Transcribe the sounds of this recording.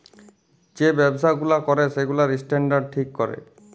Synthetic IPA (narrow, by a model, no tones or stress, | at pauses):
d͡ʒebebsaɡulakɔɾeseɡulaɾisʈeɳɖaɾɖ̚ʈʰikːɔɾḛ